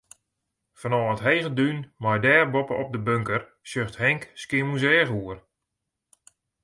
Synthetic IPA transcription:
fənɔːətɦejɣədynmajdɛːrbɔpəʔɔp̚dəbøŋkər | sjøxthɛŋkskɪəmuzɛːɣuər

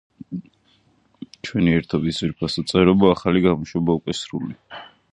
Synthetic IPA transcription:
t͡ʃʰwɛniɛɾt̪ʰɔbisiɾipʰasɔt̪sʼɛɾɔbaːχaliɡamuʃwɛbaukʼwɛsɾuli

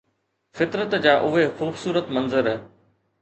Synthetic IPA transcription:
fɪt̪ɾət̪d͡ʑaːʔʊɦexuːbsuːɾət̪mɐ̃nzəɾ

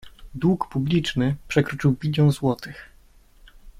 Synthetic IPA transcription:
d̪wukpublʲit͡ʂnɘpʂɛkɾɔt͡ʂɘwbʲid̪ʲjɔ̃zwɔt̪ɘx

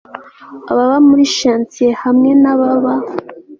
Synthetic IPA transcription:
aβaβamuɾiʃaːnt͡siehamŋe̞naβaβa

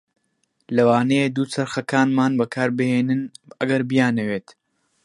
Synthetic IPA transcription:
lɐwaːnejed̪uːt͡sɐɾxɐkaːnmaːnbɐkʰaːɾbɨheːnɨnɐɡɐɾbijaːnɐweːt̪

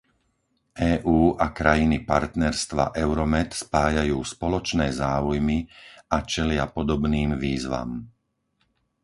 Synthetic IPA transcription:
ʔɛːʔuːʔakɾajinipaɾt̪nɛɾst̪ʋa̰ʔɛʊɾɔmɛt̪spaːjajuːspɔlɔt͡ʃnɛːzaːujmiat͡ʃɛlɪapɔd̪ɔbniːmʋiːzʋa̰m

